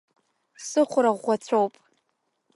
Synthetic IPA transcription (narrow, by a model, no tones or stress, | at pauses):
sɨχʷʊɾaʁʷːat͡sʷʰowpʼ